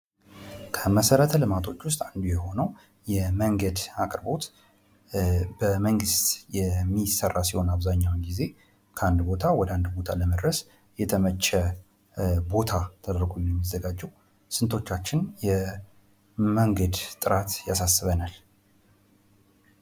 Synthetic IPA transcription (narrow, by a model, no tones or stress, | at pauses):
kʰəməsəɾət̪ʰəlɨmat̪ʰo̞t͡ʃːwʊst̪ʼand̪ujɛho̞nəw | jɛməŋɡəd̪akʼɾbo̞t̪ | bəməŋɡɨst̪jɛmːisərːasiho̞naβzaɲːawnɡize̞ | kʰəand̪bo̞t̪ʰawɔd̪and̪bo̞t̪ʰaləməd̪ɾəs | jɛt̪ʰəmət͡ʃːə | bo̞t̪ʰat̪ʰəd̪əɾɡojɛɛmːizːəɡad͡ʒɛw | sɨnt̪ʰo̞t͡ʃːat͡ʃːɪnjɛ | məŋɡəd̪t̪ʼɨɾat̪jasasːɨβənal